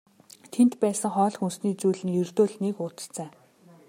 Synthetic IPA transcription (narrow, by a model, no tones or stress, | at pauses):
t̪ʰen̥t̪pæːsə̆ŋχɔːɮ̆xunsniːt͡sujɮɘ̆njɵr̥t̪oːɮnekʊːt̪ə̥̆ɬt͡sæː